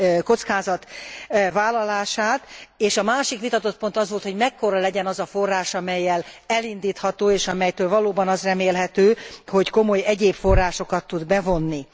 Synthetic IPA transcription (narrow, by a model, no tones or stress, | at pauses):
ko̞t̪skaːzɒt̪vaːlːɒlaːʃaːt̪eːʃɒmaːʃikʋit̪ɒt̪o̞t̪̚po̞nt̪ɒzʋolt̪ho̞ɟmɛkːo̞ɾɒlɛɟɛnɒzɒfo̞rːaːʃɒmɛjːɛlɛlind̪iːt̪hɒt̪oːeːʃɒmɛjt̪øːlvɒloːbɒnɒzrɛmeːlɦɛt̪øːho̞cko̞mo̞jɛɟeːpfo̞rːaːʃo̞kɒt̪ːud̪bɛvo̞nːi